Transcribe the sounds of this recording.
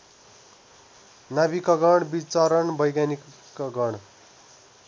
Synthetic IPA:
nabikʌɡʌɽbit͡sʌɾʌɳbʌjɡani | kːʌɡʌɽ̃

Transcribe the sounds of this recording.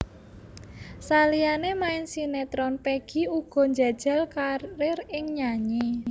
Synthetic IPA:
salijanemaɪnsinet̪ɾɔnpeɡ̥i̤uɡ̥ɔ̤ɲd͡ʒa̤d̥ʒ̥a̤lkaɾɪrɪŋɲaɲe

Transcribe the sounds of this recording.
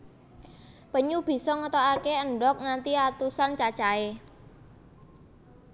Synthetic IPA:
pəɲub̥i̤sɔŋət̪ɔakeəɳɖɔk̚ŋant̪iat̪usant͡ʃat͡ʃae

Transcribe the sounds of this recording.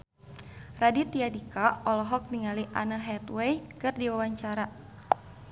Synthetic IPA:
radit̪iadikaɔlɔɦɔk̚niŋaliʔanəɦɛt̪wɛjkɨrdiwawaɲt͡ʃaɾa

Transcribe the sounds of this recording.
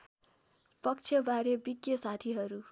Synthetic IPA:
pʌk̚t͡sʰjʌbaɾjʌbiɡjʌsat̪ʰiɦʌɾu

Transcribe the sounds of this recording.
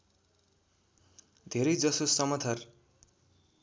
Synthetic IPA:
d̪ʱeɾʌjd͡zʌsosʌmʌt̪ʰʌr

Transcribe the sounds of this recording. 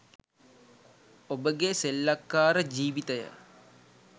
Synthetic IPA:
obəɡeselːakːaːɾəd͡ʒiːʋit̪əjə̰

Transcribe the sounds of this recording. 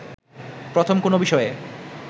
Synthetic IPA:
pɾot̪ʰomkonobiʃɔe

